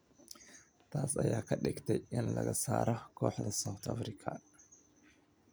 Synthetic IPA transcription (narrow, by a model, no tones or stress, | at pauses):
t̪ʰasɐjːakʰɐɗɛkt̪ʰɐjɪnlɐɡɐsa̰ːɾɐkʰoħd̪ɐsawt̪ʰafɾikʰa